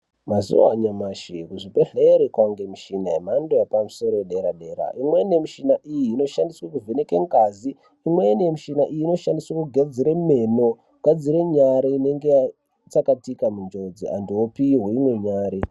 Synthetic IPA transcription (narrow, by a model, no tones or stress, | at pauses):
mazṵwaɲamaʃikuʐipeɬeɾekwaŋɡemiʃinaemandojapamuso̞ɾoeɗe̞ɾaɗe̞ɾa̰ʔimwe̞nemiʃinaʔijiːno̞ʃandiswakuvene̞keŋɡaziː | mwenemiʃinaʔijiːno̞ʃandiswakuɡʱad͡ziɾeme̞mo̞ | ɡʱad͡ziɾeɲaɾaine̞ŋɡea | t͡sakatikamund͡ʒo̞d͡zia̰ndiwopiiɦweimwe̞ɲaːɾi